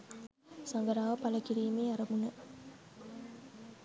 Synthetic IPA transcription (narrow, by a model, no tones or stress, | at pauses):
sɐŋɡɐɾaːʋɐpɐlɐkiɾiːmeːɐɾɐmunɐ